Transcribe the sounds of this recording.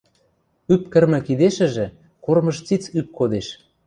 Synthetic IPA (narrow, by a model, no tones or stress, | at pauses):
yp̚kə̆rmɘ̆kid̪eʃɘ̆ʒĕ | kormɤ̆ʃt͡sit͡syp̚kod̪eʃ